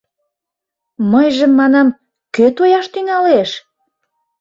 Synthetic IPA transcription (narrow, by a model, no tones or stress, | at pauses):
məjʒəmːɑnɑm | køt̪ojɑʃt̪yŋɑleʃ